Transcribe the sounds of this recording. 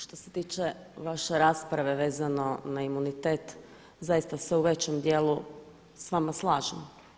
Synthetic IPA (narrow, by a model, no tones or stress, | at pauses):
ʃt̪o̞set̪iːt͡ʃe̞ | ʋaʃe̞ɾaːspɾaʋe̞ʋe̞ːzano̞naimunit̪e̞ːt̪ | zajist̪aseuʋe̞t͡ɕe̞md̪jeːlˠu | sʋamaslˠaːʒem